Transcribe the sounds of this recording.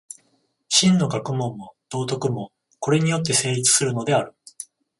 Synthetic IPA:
ɕĩnːo̞ɡakɯ̟mõ̞mːo̞d̪̥o̞ːt̪o̞kɯ̟mo̞ | ko̞ɾe̞ɲ̟ijo̞t̪ːe̞se̞ːɾʲit͡sɨ̥sɨɾɯ̟no̞d̪e̞aɾɯ̟

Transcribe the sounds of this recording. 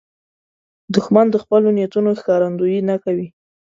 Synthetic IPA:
d̪ʊxmand̪əxpəlonjat̪unoxkɑɾand̪ujinakawi

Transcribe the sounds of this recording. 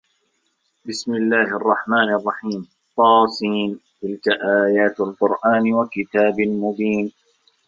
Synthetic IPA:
bɪsmɪlːaːhʔɑrˤːɑħmaːnɑrˤːɑħiːm | t̪ˤːɑːsiːnt̪ɪlkaʔaːjaːt̪alqʊɾʔaːnɪwakɪt̪aːbɪmʊbiːn

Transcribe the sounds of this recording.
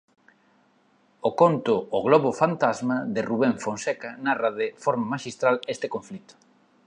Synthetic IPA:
okont̪ʊːɣlɔβʊfant̪azmaðɪruβeɱfonsɛkanarɐðɪfɔɾmamaʃist̪ɾalest̪ɪkõɱflit̪ʊ̥

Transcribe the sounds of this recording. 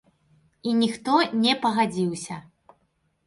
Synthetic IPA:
inʲixt̪ɔnʲɛpɐɣad͡zʲiwsʲɐ

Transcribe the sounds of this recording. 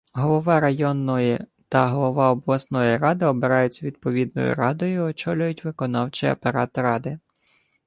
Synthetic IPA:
ɦɔlˠɔʋɑɾɐjɔnːɔjit̪ɐɦɔlˠɔʋɑɔblˠɐsnɔjiɾɑd̪ɪɔbɪɾɑjʊt͡sʲːɐʋʲid̪̚pɔʋʲid̪̚nɔ̰jʊ̰ɾɑd̪ɔjʊiɔt͡ʃɔlʲʊjʊtʲʋɪkɔnɑwt͡ʃɪɐ̰peɾɑt̪ɾɑd̪ɪ

